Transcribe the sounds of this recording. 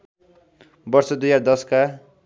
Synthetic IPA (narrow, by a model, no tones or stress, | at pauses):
bʌrsʌd̪ujaɾd̪ʌska